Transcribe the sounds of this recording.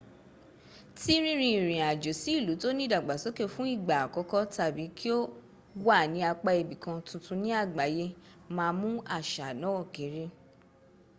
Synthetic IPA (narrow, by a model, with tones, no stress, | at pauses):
ti˦ɾ̃ĩ˦ɾ̃ĩ˧i˨ɾĩ˨a˨d͡ʒo˨si˨˦i˦˨lu˨˦to˦nĩ˦da˨ɡ͡ba˨so˨˦ke˦˨fũ˦i˦˨ɡ͡ba˨a˨kɔ˨˧˦kɔ˦ta˦˨bi˨˦kʰi˦o˦ | wa˦˨nĩ˨˧˦a˧k͡pa˧e˧bi˨kã˧tũ˨˧tũ˧nĩ˦a˦˨ɡ͡ba˨˦je˦ | mãː˧mũ˦a˦˨ʃa˨nã˨˦wɔ˦˨kẽ˨˦ɾe˦